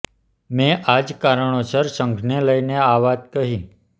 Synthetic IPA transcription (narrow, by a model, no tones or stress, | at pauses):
mẽʔad͡ʒkaɾəɳ̃osəɾsəŋkʰneləineaʋat̪̚kəɦĩ